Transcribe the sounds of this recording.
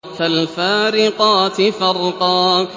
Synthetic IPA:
falfaːɾɪqɑːt̪ɪfɑɾˤq̪ɑː

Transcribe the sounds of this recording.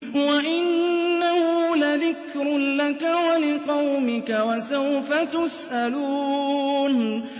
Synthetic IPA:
waʔɪnːahʊlaðɪkɾʊlakawalɪqɑwmɪkawasawfat̪ʊsʔaluːn

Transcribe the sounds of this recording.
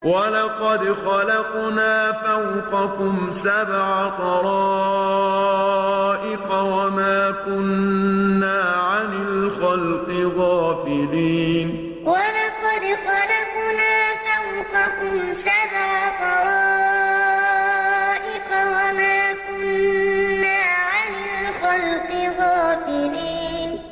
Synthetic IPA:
walɑqɑd̪xalɑqnaːfawqɑkʊmsabʕat̪ˤɑɾ | ʔɪqɑwamaːkʊnː | aːʕanɪlxalqɪɣɑːfɪliːn | walaqɑd̪ɪxɑlakʊnaːkawkakʊmsabaʕt̪ˤɑɾˤɑ | ʔɪqɑwamaːkʊnː | aːʕanɪlxɑlqɨɣɑːfɪliːn

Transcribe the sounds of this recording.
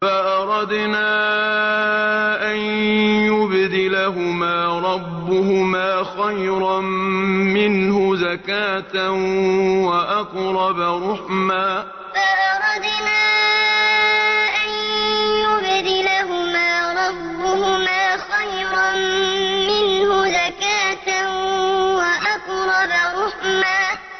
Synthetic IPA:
faʔɑɾˤɑd̪naː | ʔanjʊbd̪ɪlaɦʊmaːɾˤɑbːʊɦʊmaːxajɾɑmmɪnhʊzakaːt̪a | waʔɑqɾˤɑbaɾʊħmaː | faʔɑɾˤɑd̪ɪnaː | ʔanjʊbd̪ɪlaɦʊmaːɾˤɑbːʊhʊmaːxajɾˤɑ | mɪnhʊzakaːt̪a | waʔaqɾˤɑbaɾʊħmaː

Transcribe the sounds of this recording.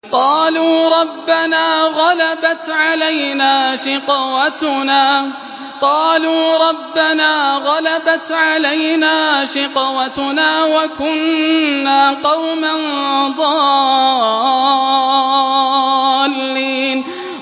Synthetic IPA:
qɑːluːɾˤɑbːanaːɣalabat̪ʕalajnaːʃɪqwat̪ʊnaː | qɑːluːɾˤɑbːanaːɣalabat̪ʕalajnaːʃɪqwat̪ʊnaːwakʊnːaːqɑwmand̪ˤɑː | lːiːn

